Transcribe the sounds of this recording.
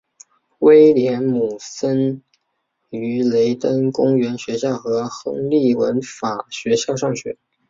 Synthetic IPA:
we˥ɪljɛ˧˥nmu˨˩sə˥n | y˧˥le˧˥ɪt̪ə˥nkʊ˥ŋɥɛ˧˥nɕɥɛ˧˥ɕjɑ˥˩ʊxɤ˧˥xɤ̰˥ŋli˥˩wə̰˧˥nfa˨˩ɕɥɛ˧˥ɕjɑ˥˧ʊʂɑ˥˩ŋɕɥɛ̰˧˥˦

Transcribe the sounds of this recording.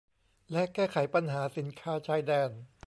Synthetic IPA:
lɛ˦˥kɛː˥˩kʰa˩˦jpa˧nɦaː˩˦si˩˦nkʰaː˦˥˩t͡ɕʰaː˦˥jdɛː˧˥˩n

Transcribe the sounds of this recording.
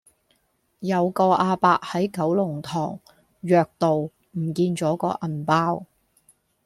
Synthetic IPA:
jɐ˨˧wkɔː˧ʔaː˧paː˧k̚hɐ˨˥jkɐ˨˥wlʊ˨˩ŋt̪ʰɔː˨˩ŋ | jœː˨˧k̚t̪o˨w | m̩˨˩kiː˧nt͡ʃɔː˨˥kɔː˧ʔɐ˨˩npaː˥w

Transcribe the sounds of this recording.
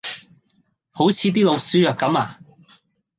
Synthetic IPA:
ho˨˥wt͡sʰiː˨˧t̪̬iː˥lo˨˧wsyː˥jœː˨kɐ˨˥maː˨

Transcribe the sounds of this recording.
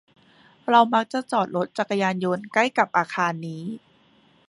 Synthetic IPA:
ɾa˧wma˦˥k̚t͡ɕa˨˩t͡ɕɔː˨˩t̪̚lo˦˥t̪̚t͡ɕa˨˩kːa˧jaː˧njo˧nka˥˩jka˨˩p̚ʔaː˧kʰaː˧nːiː˦˥

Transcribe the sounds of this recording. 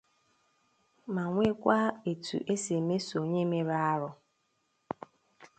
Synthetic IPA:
ma˨ŋʷe˦kʷa˦e˨tṵ˨ʔe˦se˨me˦so˨ɲe˦me˦ɾa˦a˦ɾʊ˨

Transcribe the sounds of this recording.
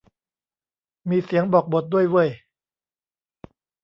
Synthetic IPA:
miː˧si˨˩˦əŋbɔː˨˩k̚bo˨˩t̪̚du˥˩əjwɯ˥˩əj

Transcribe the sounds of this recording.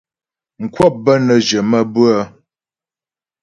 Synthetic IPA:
ŋ̩˨kwɔ˦˨p̚bə˦nə˨d͡ʒə˨mə˦bʉ˦ə˦

